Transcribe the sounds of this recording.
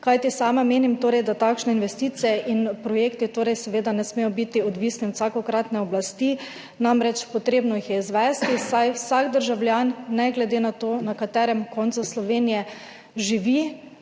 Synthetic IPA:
kajt̪isaːmameːnimt̪oːɾɛjd̪at̪akʃnɛinʋɛst̪iːt̪sijɛʔinpɾɔjeːkt̪it̪oːɾɛjsɛʋeːd̪anɛsmejɔbit̪iɔd̪ʋiːsniwsakɔkɾat̪nɛɔblast̪i | namɾɛt͡ʃpɔt̪ɾeːbnɔjixjɛizʋɛst̪isajwsaɡd̪əɾʒawlʲjanːɛɡlɛd̪enat̪oːnakat̪ɛːɾɛmkɔnt̪suslɔʋeːnijɛ | ʒiʋi

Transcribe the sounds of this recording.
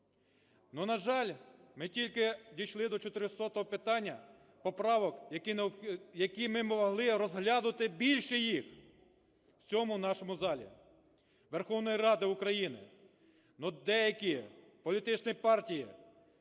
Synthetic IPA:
nunɐʒɑlʲmɪtʲilʲkɪdʲijʃlˠɪd̪ɔt͡ʃɔt̪ɪɾʲɪsɔt̪ɔɦɔpɪt̪ɑnʲːɐ | pɔpɾɑʋɔkjɐnjɐkijmɪmɔɔɦlˠɪɾɔzɦlʲad̪ʊt̪ɪbʲilʲʃɛjix | w̥t͡sʲɔmʊnɑʃɔmʊzɑlʲḭ | ʋerxɔwnɔjiɾɑd̪ɪʊkɾɐjinɪ̰ | nud̪ɛjɐkʲi | pɔlʲit̪ɪt͡ʃnɪjpɑrtʲiji

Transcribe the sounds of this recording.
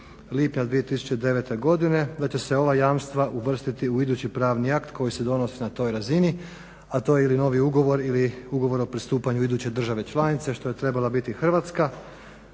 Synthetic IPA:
liːpɲad̪ʋije̞t̪isu̥t͡ɕe̞d̪e̞ʋet̪e̞ɡo̞d̪ine̞d̪at͡ɕe̞se̞o̞ʋajaːmst̪ʋaʔuʋr̩st̪it̪iuid̪uːt͡ɕipɾaːʋniakt̪kʰo̞jise̞d̪o̞no̞sinat̪o̞ːjɾazini | at̪o̞jeilino̞ʋiuɡo̞ʋo̞ɾiliuɡo̞ʋo̞ɾo̞pɾist̪uːpaɲuid̪uːt͡ɕe̞d̪r̩ʒaʋe̞t͡ʃlˠanit̪se̞ʃt̪o̞je̞t̪ɾe̞balabit̪ixr̩ʋat̪ska

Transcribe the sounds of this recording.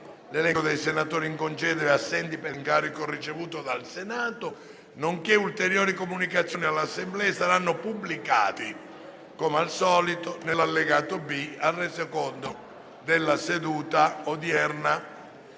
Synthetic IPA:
lelɛkod̪ejsenat̪oːɾiŋkont͡ʃɛd̪ɛɾasːɛnt̪ipeŋkaːɾikorit͡ʃevuːt̪od̪alsenaːt̪ʊ | noŋkeult̪eɾjoːɾikomunikat̪sːjoːnialːasːemblɛesaɾanːʊpubːlikaːt̪i | kɔmalsɔːlit̪onelːalːeɡaːt̪obiarːɛsekɔnd̪o | d̪elːased̪uːt̪aod̪jɛrna

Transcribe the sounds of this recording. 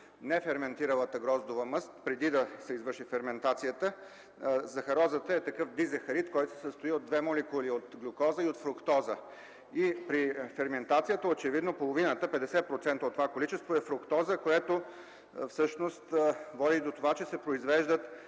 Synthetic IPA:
nɛfɛɾmɛnt̪iɾəlˠət̪əɡɾɔzd̪ovəmɤst̪pɾɛd̪id̪ɐsɛizvɤɾʃifɛɾmɛnt̪at̪sijət̪ə | zɐxɐɾɔzət̪əɛt̪ɐkɤfd̪izɛxɐɾit̪kɔjt̪osɛ̥səst̪oiod̪vɛmolɛkuliot̪ɡlʲokɔzəiot̪fɾʊkt̪ɔzə | ipɾifɛɾmɛnt̪at̪sijət̪əot͡ʃɛvid̪nopolˠovinət̪əpɛd̪ɛsɛpɾot̪sɛnt̪ɐot̪ːovakolit͡ʃɛst̪voɛfɾʊkt̪ɔzəkoɛt̪o | fsɤʃnost̪vɔd̪id̪ot̪ovat͡ʃɛsɛpɾoizvɛʒd̪ət̪

